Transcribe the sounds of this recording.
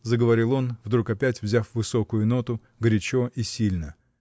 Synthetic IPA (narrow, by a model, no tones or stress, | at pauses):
zəɡəvɐɾʲilˠo̞nvd̪ɾukɐpʲætʲvzʲafvɨso̞kʊjʊno̞t̪ʊ | ɡɾʲɪt͡ɕo̞ʔisʲilʲnə